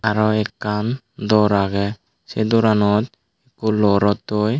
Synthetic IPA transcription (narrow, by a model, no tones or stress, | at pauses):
aɾɔɛkːan | d̪ɔɾaɡɛ | sɛd̪ɔɾanɔt̪̚ | ɛkulɔɾɔt̪ːoj